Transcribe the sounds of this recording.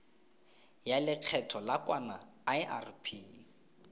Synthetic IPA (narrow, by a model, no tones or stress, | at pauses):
jalɪq͡χʰɛtʰɔlakwana | aɪarpʰi